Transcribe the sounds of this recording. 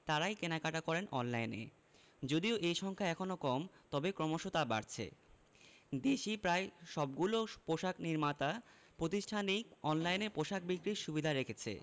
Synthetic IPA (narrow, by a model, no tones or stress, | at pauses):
t̪aɾajkenakaʈakɔɾenʔɔnlajnḛ | d͡ʑod̪ioʔejʃɔŋkʰaɛkʰonokɔmt̪ɔbekɾɔmoʃot̪aba̰ɾt͡ɕʰḛ | d̪eʃipɾaeʃɔb̚ɡulopoʃakniɾmat̪a | pɾot̪̬iʃʈʰanik̚ɔnlajneɾpoʃak̚bikɾiɾʃubid̪ʱaɾekʰet͡ɕʰḛ